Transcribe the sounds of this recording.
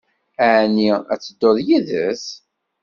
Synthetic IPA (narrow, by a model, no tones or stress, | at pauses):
æniæ̰t͡sːəd̪ːoðˤjiðəs